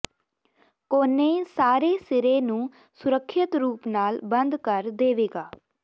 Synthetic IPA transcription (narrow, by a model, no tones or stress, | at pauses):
koːnẽːsaːɾeːsɪɾeːnũː | sʊɾəkʰːɪt̪ɾuːpnaːlbənd̪kəɾd̪eːʋeːɡaː